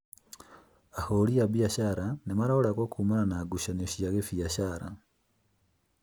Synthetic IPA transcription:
aholiabjaʃaɾanemaɾaoɾakwakʰumananaɡuʃanoʃijaɣefiaʃaɾa̰

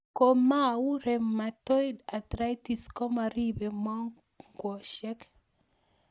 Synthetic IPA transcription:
komawuɾɛmatɔjdatɾajtiskɔmaɾibɛmɔ | ŋɡɔʃɛk

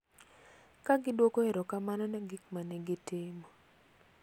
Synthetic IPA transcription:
kaɡɪdwokoeɾokamanɔnaɡikmanɛɡɪtɪmɔ

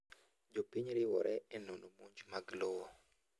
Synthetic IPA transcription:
d͡ʒopiɲɾɪwɔ̰ɾʔɛɛnonomoɲd͡ʒmaɡlowɔ

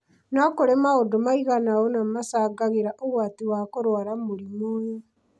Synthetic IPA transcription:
nakoɾemaodomaiɣanaɣonamasaːɡaɣeɾaʔoɣwaːtiwakoɾwaɾamoɾimoe

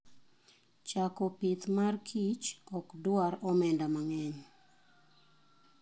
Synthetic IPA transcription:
t͡ʃakɔpɪt̪markʰit͡ʃɔkdʊaɾɔmɛndamaŋɛɲ

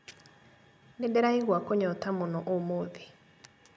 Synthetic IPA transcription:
ndedɛɾaiɣwakoɲɔtamonɔʔomoðe

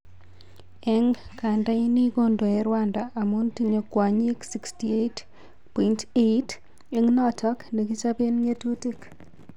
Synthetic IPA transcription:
ɛŋkandainikondɔɛɾwandaʔːmuntiɲokwaɲeksikstiet | pɔintet | eŋnatʰɔknekit͡ʃapenŋetutik

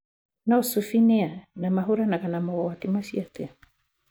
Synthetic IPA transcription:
naosufineanamaɦuɾanaɣanamaatimasiatea

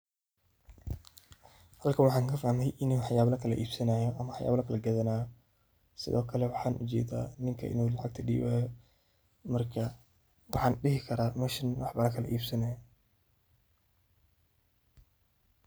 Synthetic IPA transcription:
hɐlkʰɐwɑħɑːŋkʰɐfaːhmɛjʔɪnuːħjaːβlɐkʰɐlɐ̰ʔiːb̥sɐnaːjɔʔɐmɐħɑja̰ːblɐkʰɐlɐɡɐðɐnaːj | sɪ̰ðɔːkʰɐlɛwɑħɑːnʔʊ̰t͡ʃɛ̰ːd̪a̰ːnɪŋkʰɐ̰ʔɪ̰nuːlɑʕɑ̰ɡ̚t̪ʰɐɖḭːβaːjɔ | mɐrkʰɐ | wɑħɑːnɗɪɦɪkʰɐɾaːmɐʃɪnwɑħbɐɾɐkʰɐlɐ̰ʔḭːbsɐnaːjɔ

